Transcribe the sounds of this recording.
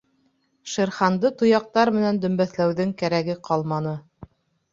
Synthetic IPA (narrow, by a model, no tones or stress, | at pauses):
ʃɤ̆ɾχɑnd̪ɤt̪ŏjɑq̚t̪ɑɾmɘ̆nænd̪ɵ̆mbæθlæwðɘŋkæɾæɡɘqʰɑlˠmɑnɤ